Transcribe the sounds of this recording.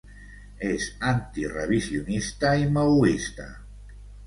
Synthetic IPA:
esant̪iraβisjonist̪aimawist̪a̰

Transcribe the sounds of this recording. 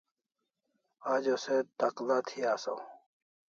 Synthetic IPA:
aːd͡ʑoset̪aqlat̪ʰiaːsa̰w

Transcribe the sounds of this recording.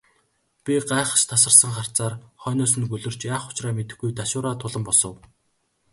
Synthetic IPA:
pʲiɢaːeχə̥̆ʃt̪ʰasə̆rsə̆ŋχar̥t͡saːrχœːnʊːs̬ɵ̆nɡɵɮɵ̆r̥t͡ɕjaːχʊ̥t͡ɕraːmet̪ɘ̆xɡujt̪aʃʊːɾaːt̪ʰʊɮə̆mpɔsɞ̆w

